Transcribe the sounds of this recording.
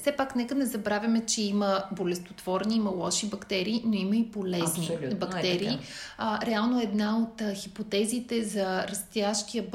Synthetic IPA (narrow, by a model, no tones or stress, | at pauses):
fsɛpaknɛkənɛzɐbɾavʲɐmɛt͡ʃɛiməbolɛst̪o̥t̪v̥ɔɾniimɐlˠɔʃibɐkt̪ɛɾiːnoimɐipolɛznnibɐkt̪ɛɾiːɾɛalˠnoɛːd̪naot̪xipot̪ɛzit̪ɛzɐɾɐst̪jaʃk̪iəb